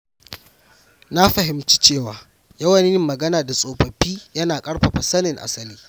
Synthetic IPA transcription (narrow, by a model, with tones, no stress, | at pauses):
na˦ɸɐ˨ɦɪ˨mt͡ʃi̥˦t͡ʃeː˦˨waː˨ | jɐ˦wɐ˨n˦ɪ˦mːɐ˨ɡɐ˦naː˨da˨sʼoː˨ɸɐ˨ɸiː˦jɐ˦naː˨kʼɐ˦ɽɸa˨ɸɐ˨sɐ˦nɪ˨ŋʔa̰˨sɐ˦liː˦